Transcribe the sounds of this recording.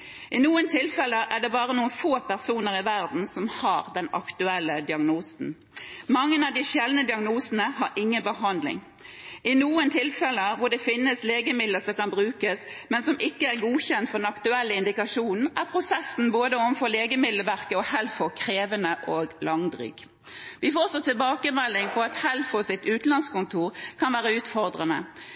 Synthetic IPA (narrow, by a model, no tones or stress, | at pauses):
ʔɪnuːənt̪ʰɪlfɛləʔæɖ̪ɛbɑːʁənuːənfoːpæʁsuːnəɾɪʋæʁd̪n̩sɔmhɑːʁd̪ɛnɑ̰kt̪ʉɛlːəd̪ɪɑɡnuːsn̩ | mɑŋːənɑʋd̪ɪʃɛlnəd̪ɪɑɡnuːsənəɦɑɾʔɪŋːənbəɦɑnd̪lɪ̰ŋ | ɪnuːənt̪ʰɪlfɛləʋʊʁɖ̪ɛfɪnːəsleːɡəmɪd̪ləsɔmkɑnbɾʉːkəsmɛnsɔmʔɪkːəæɾɡuːçɛnt̪fɔʁd̪ɛnɑkt̪ʉɛlːəɪnd̪ɪkɑʂuːnn̩ʔæʁpʰʁʊsɛsn̩boːd̪əɔʋənfɔleːɡəmɪd̪ləʋæʁkəɔhɛlfɔkʰʁeːʋənəʔoːɡlɑŋd̪ʁy̰ːɡ̥ | ʋɪfoːsɔt̪ʰɪlbɑːkəmɛlːɪŋpʰɔɑt̪hɛlfɔsɪt̪ʉːt̪n̩ɑnskʊnt̪ʰuːʁkʰɑnʋæːɾəʉːt̪fɔʁd̪ʁənə̰